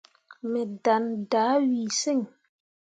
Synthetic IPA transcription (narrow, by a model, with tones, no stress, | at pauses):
mɛ˨da˨nda˨˦wi˨se˦˨ŋ